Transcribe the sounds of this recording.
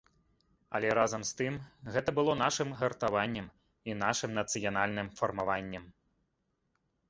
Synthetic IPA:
ɐ̰lʲɛɾazɐmst̪ɨmɣɛt̪ɐbɨlˠɔn̪aʂɨmɣɐrt̪avanʲːɐm | inaʂɨmnɐt̪sɨjanalʲnɨmfɐrmavanʲːɐm

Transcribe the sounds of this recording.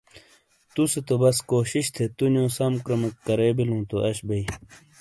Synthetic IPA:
t̪uset̪obɐskoːɕiɕt̪ʰet̪unjõːsɐmkɾɐmɐkkɐɾeːbilũːt̪oʔɐɕbɐi

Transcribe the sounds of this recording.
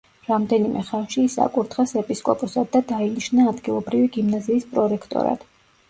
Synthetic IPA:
ɾamd̪ɛnimʔɛ̰χalʃiːsa̰kʼuɾt̪ʰχɛsɛpʼiskʼɔpʼɔsad̪ːad̪ainiʃnaːd̪ɡilˠɔbɾiviɡimnaziːspʼɾɔɾɛkʰt̪ʼɔ̰ɾa̰d̪̥

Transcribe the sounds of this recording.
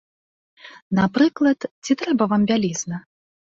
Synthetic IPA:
napɾɨklˠɐt̪t͡sʲit̪ɾɛbɐvambʲalʲiznɐ

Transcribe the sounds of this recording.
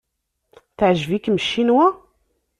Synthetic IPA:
θʕʒvikməʃːinwæ

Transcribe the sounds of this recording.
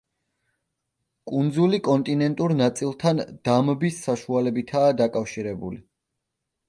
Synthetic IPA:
kʼund̪zulikʼɔnt̪ʼinɛnt̪ʼuɾnat̪sʼilˠt̪ʰand̪̥ambisːaʃualɛbit̪ʰaːd̪akʼafʃiɾɛbṵli

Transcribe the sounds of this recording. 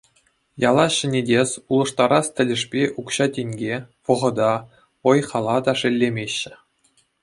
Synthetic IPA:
jɑlˠɑɕɘ̆nʲedʲesʲulˠɤ̆ʂt̪ɑɾɑstʲɘ̆lʲɘ̆ʂpʲeʔukɕɑtʲenʲɡʲeʋɤ̆ʁɤ̆d̪ɑ | ɤ̆jχɑlˠɑd̪ɑʂɘ̆lʲːemʲeɕːɘ̆

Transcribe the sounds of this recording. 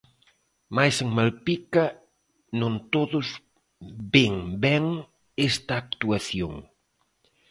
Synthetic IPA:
majseŋmalpikɐ | nõnt̪oðʊz | beŋbɛŋ | est̪aːk̚t̪uaθjoŋ

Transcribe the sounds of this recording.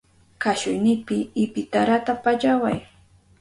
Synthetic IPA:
kaʃʊjnɪpɪɪpɪt̪aɾat̪apaʎawa̰j

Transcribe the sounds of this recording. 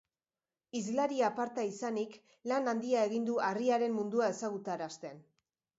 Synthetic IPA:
izlaɾiapaɾt̪aisanik | lanand̪iae̞ɣind̪uariaɾe̞mmund̪uae̞saɣ̞ut̪aɾast̪e̞n

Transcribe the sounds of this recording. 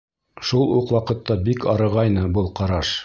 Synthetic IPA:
ʃulˠuqwɑqɤ̆t̪ːɑbikɑɾɤ̆ʁɑjnɤbɤlˠqɑɾɑʃ

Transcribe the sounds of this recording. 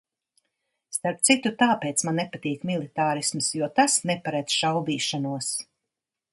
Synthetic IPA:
st̪aɾp̚t̪sit̪ut̪aːpeːt̪smanːepat̪iːkmilˠit̪aːɾismsjuɔt̪asnepaɾad̪z̥ʃawviːʃanuɔs

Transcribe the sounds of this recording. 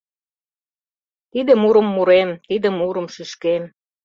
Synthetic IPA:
t̪id̪ə̆muɾə̆mːuɾemt̪id̪ə̆muɾə̆mʃyʃkem

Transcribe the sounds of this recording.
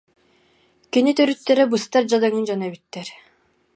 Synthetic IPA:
kinit̪œɾyt̪ːɛɾɛbɯst̪aɾd͡ʑad̪ɯŋɯnd͡ʑanɛbyt̪ːɛɾ

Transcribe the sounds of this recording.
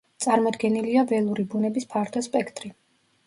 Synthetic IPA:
t̪sʼaɾmɔd̪ɡɛniliavɛlˠuɾibunɛbispʰaɾt̪ʰɔspʼɛkʰt̪ʼɾi

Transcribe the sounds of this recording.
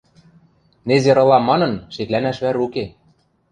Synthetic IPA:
nezeɾɤ̆lɑmɑnɤ̆nʃet̪lænæʃβæɾuke

